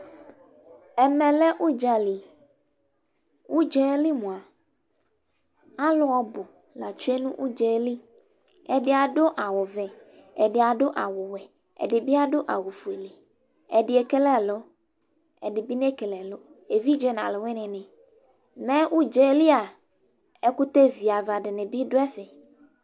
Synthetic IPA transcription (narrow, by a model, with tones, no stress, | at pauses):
ɛ˨mɛ˨lɛ˦ʔu˦d͡ʒa˨li˨ | wu˦d͡ʒɛ˦li˦mũ˨a˨ | a˦lʊ˦ɔ˦bʊ˨ | la˨t͡ʃu˦ɛ˦nṵ̃˦ʔu˦d͡ʒɛ˨˦li˦ | ɛ˨dɪ˦a˨ɖʊ˦ʔa˨wʊ˨vɛ˨ | ɛ˨ɖɪ˨a˨ɖʊ˦ʔa˨wʊ˨wɛ˨ | ɛ̰˨dɪ˨bi˦a˦dʊ˦ʔa̰˨wʊ˨fu˨e˨li˨ | ɛ˨dɪ˨ɛ˨kɛ˦lɛ˦˨lʊ˦ | ɛ˨dɪ˨bi˦ne˦kɛ˨lɛ˨lʊ˦ | e˨vi˦d͡ʒɛ˦na̰˨lʊ˨wɪ˦nɪ̃˨nɪ̃˨ | mɛ̃˦ʔu˦d͡ʒe˦li˦a˨ | ɛ˦kʊ˦t̪e˦vi˨a˨va˨ɖɪ˨nɪ̃˨bi˦dʊ˦ɛ˦fɛ˨